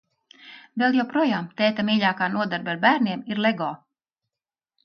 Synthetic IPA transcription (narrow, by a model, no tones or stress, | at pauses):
vɛlˠjawpɾuɔjaːmt̪ɛːt̪amiːʎʲaːkaːnuɔd̪aɾbʲaɾbæːɾniɛmiɾleɡɔː